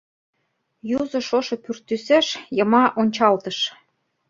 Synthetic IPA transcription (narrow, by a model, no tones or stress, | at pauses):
juzɤ̆ʃoʃɤ̆pyrt̪ːyseʃjɤ̆mɑʔonʲt͡ɕɑlt̪ɤ̆ʃ